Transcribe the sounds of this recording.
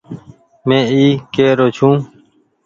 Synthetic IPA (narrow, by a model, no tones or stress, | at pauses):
mẽːiːkeːɾoːt͡ʃʰũː